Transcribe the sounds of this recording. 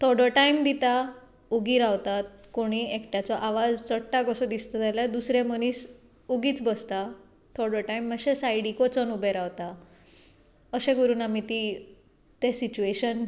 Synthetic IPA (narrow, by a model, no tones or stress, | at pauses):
t̪ʰɔɾɖɔʈajmd̪it̪a | uɡiːɾaʋt̪at̪̚koɽ̃iekʈjat͡sɔʔaʋad͡zt͡səʈːaɡɔsɔd̪ist̪ɔt̪alad̪usɾeməñiːs | uɡiːt͡sbəst̪a | t̪ʰɔɾɖəʈajmːəɕẽsajɽikɔt͡sɔnubeɾaʋt̪a | əɕẽɡəɾuːnamit̪i | t̪esit͡ɕueɕən